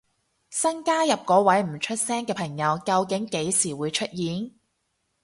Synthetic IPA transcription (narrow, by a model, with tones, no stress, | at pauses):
sɐ˥nkaː˥jɐ˨p̚kɔː˨˧˥wɐ˨˥jm̩˨˩t͡ʃʰɵ˥t̚sɛː˥ŋkɛː˧pʰɐ˨˩ŋjɐ˨˧wkɐ˧wkɪ˨˥ŋke˨˥jsiː˨˩wuː˨˧jt͡ʃʰɵ˥t̚jiː˨˥n